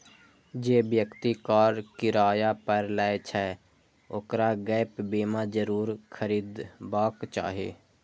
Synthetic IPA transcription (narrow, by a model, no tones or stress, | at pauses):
d͡ʒeːbjəkt̪ikaːɾkɪɾaːjapəɾlaet͡ʃʰɛ | oːkɾaɡɛːɪpbeːmad͡ʒəɾuːɾkʰəɾiːd̪baːkt͡ʃa̰ːɦḛː